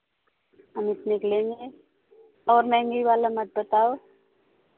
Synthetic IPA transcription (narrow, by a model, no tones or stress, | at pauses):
ɦəmɪt̪niklẽːŋɡe | ɔːɾmɛ̃ŋɡiʋaːlamɐt̪̚bət̪aːo